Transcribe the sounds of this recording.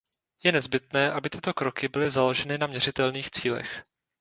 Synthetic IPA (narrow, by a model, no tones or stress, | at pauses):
jɛnɛzbɪt̪nɛːʔabɪt̪ɪt̪o̞kɾo̞kɪbɪlɪzalo̞ʒɛnɪnamɲɛrɪt̪ɛlniːxt͡siːlɛ̰x